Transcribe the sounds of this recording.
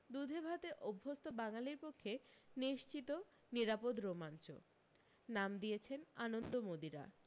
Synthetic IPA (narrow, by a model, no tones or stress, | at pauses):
d̪ud̪ʱebʱat̪eʔobʱːost̪obaŋaliɾpokʰːeniʃt͡ɕit̪o | niɾapod̪ɾomant͡ɕo̰ | namd̪iet͡ɕʰenanond̪omod̪iɾa̰